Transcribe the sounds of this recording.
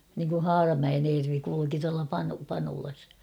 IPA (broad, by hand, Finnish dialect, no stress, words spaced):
niŋku hɑːrɑmæen eːrʋi kuiuki tuɑlɑ pɑnu pɑnulɑs